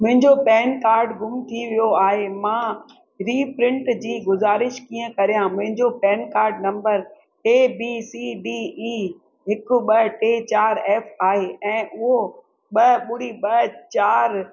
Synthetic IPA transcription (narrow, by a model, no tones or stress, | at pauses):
mʊ̃ɦɪ̃ɲd͡ʑopɛːnkaːɾɖɡʱʊmt̪ʰiʋijoaːɦemãː | ɾiːpɾɪ̃ɳʈd͡ʑiːɡʊzaːɾɪʃkiːə̃kɐɾijãmʊ̃ɦɪ̃ɲd͡ʑopɛːnkaːɾɖnɐ̃mbəɾ | eːbisiɖiː | ɦɪkʊ̆ɓɐʈeːt͡ɕaːɾɛːfaːɦeʔɛ̃ːʔʊɦo | ɓɐɓʊɽiɓɐt͡ɕaːɾ